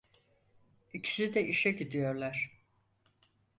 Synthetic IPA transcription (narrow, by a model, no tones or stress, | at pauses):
icʰi̥sid̪ɛʔiʃɛɟid̪ijo̞ɾlˠaɾ̥